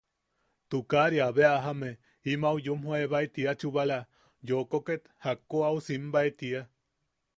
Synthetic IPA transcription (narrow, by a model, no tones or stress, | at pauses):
t̪ukaɾiaβeaɦame | imaujumhoaeβaet̪iat͡ʃuβala | jokoket̪hakːoausimbaet̪ia